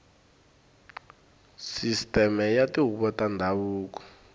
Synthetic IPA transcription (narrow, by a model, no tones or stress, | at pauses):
sistʼɛmɛjatiɦuɓɔtʼandʱawuːk̬ɔ̥